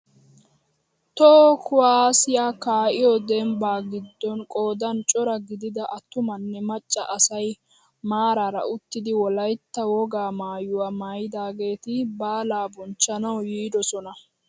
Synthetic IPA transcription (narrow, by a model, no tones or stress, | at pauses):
t̪ɔkʰʊwaːsɪjaːkaːʔɪjɔd̪ɛmbaːɡɪd̪ːɔnkʼo̞ːd̪ɐnt͡ʃʼɔɾɐɡɪd̪ɪd̪ɐʔɐt̪ːʊmɐnːɛmɐt͡ʃʼːɐʔɐsɐj | maːɾaːɾɐ̰ʊt̪ːɪd̪ɪwɔlɐjt̪ːɐwɔɡaːmaːjʊwamaːjɪd̪aːɡe̞ːt̪ɪbaːlaːbɔnt͡ʃːɐnɐwjiːd̪ɔsɔnɐ